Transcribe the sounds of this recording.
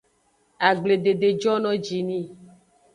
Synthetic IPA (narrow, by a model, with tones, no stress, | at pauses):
a˨ɡ͡ble˨ɖe˨ɖe˨d͡ʒɔ˦nɔ̃˦d͡ʒi˨nĩ˦˨